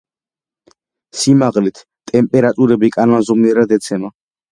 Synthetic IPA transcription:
simaʁlit̪ʰ | t̪ʼɛmpʼɛɾat̪ʼuɾɛbikʼanɔnzɔmniɛɾad̪ɛt̪sʰɛma

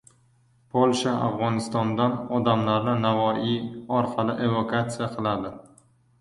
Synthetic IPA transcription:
pʰolˠʃaʔa̰vʁɒnɪst̪ɒnd̪anɒd̪amlaɾnɪnavɒiɒɾqʰɑlɪʔe̞vokʰat̪sɪjaqʰɨlˠad̪ɪ

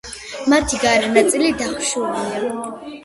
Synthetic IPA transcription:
mat̪ʰiɡaɾanat̪sʼilid̪aχʃuɾina

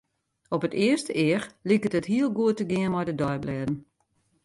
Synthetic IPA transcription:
ɔpətɪəstəɪərlikətəthiəlˠɡuətəɡɪənmɔjdədɔjblɛːdn̩

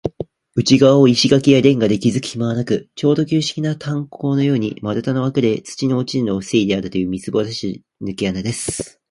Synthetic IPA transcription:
ɯ̟t͡ɕiɡaβaoiɕiɡakʲijad̪ẽ̞ŋɡad̪e̞kʲizɨkɯ̟̥çʲimaβanakɯ̟t͡ɕo̞ːd̪o̞kʲɨːɕi̥kʲinat̪ʰãŋkʰo̞ːno̞jo̞ːɲ̟ḭmaɾɯt̪anoβakɯ̟ɾe̞t͡sɨ̥t͡ɕino̞ːt͡ɕino̞se̞id̪e̞aɾɯ̟t̪o̞jɯ̟ːmʲit͡sɨbo̞ːd̪aɕi | nɨ̟kejanad̪e̞sɨ̥

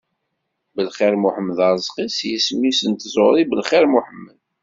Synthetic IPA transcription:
bəlχiɾmuħəmːəðɑɾˤəzˤqisjəsmːisənt̪zˤoɾˤibəlχiɾmuħəmːəð

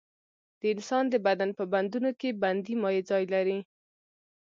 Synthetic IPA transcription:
d̪̥əɪnsɑnd̪əbad̪anpəband̪unokeband̪imɑjed͡zɑjlaɾi

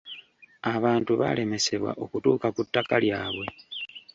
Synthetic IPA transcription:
aβaːntuβa̰le̞me̞se̞βwa̰ʔo̞kutuːkakutːakaljaːβwe̞

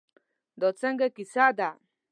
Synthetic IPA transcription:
d̪ot͡sɛŋɡekisaʔd̪a

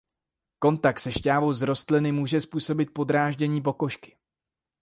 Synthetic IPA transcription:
ko̞nt̪ak̚t̪sɛʃcaːvowzɾo̞st̪lɪnɪmuːʒɛspuːso̞bɪt̪̚po̞d̪ɾaːʒɟɛɲiːp̬o̞ko̞ʃkɪ̥

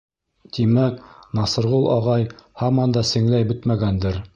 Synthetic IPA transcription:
t̪imæknɑsɤ̆ɾʁulˠʔɑ̰ʁɑjhɑmɑnd̪ɑsɘ̆ŋlæjbɵt̪mæɡænd̪ɘɾ

